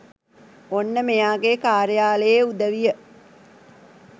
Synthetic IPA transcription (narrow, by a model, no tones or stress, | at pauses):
onːəmejaːɡekaːɾəjaːləjeud̪əʋijə